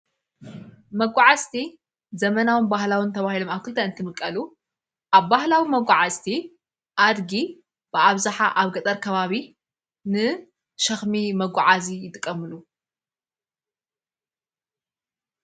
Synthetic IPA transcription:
mɐɡʷaʕazt̪ʰi | zɐmɐnawɨnbahlawɨnt̪ʰɐβahilomaβkʰɨlt̪ʰɐɨnt̪ʰɨmɨkʼːɐlu | ʔaβːahlawimɐɡʷaʕazt̪ʰi | ʔad̪ɡi | b̥ɨaβzaħaʔaβɡɐt̪ʼɐɾkʰɐβaβi | nɨ | ʃɐxmimɐɡʷaʕazijɪt̪ʼɨkʼːɐmɨlu

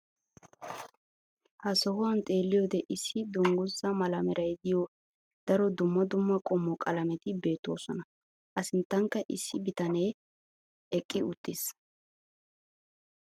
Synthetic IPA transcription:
hɐsɔhʊwɐnt̪ʼe̞ːlːɪjɔd̪ɛʔɪsːɪd̪ʊŋɡʊzɐmɐlɐmɛɾʔɐjd̪ɪjɔ | d̪̥ɐɾɔd̪ʊmːɐd̪ʊmːɐkʼɔmːɔkʼɐlɐmɛt̪ɪbe̞ːt̪ːoːsɔnɐ | ʔɐsɪnt̪ːɐŋkːɐʔɪsːɪbɪt̪ɐne̞ː | ɛkʼːɪʊt̪ːɪs

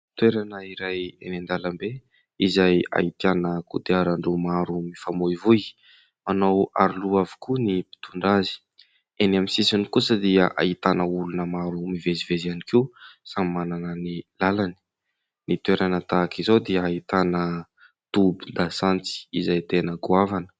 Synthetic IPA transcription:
t̪weɾanəiɾajenend̪aləmbe | izaja̰it̪ianəkud̪eaɾaɳɖ͡ʐumaɾumifamoivuj | manawa̰ɾiluavi̥kunipi̥t̪uɳɖ͡ʐazi̥ | enamisisanikusəd̪iəʔa̰it̪anəulunəmaɾumivezivezianikisamimananənilalani̥ | nit̪weɾanət̪akizowd̪iəait̪anə | t̪ubid̪asant͡si̥izajt̪enəɡuavanə̥

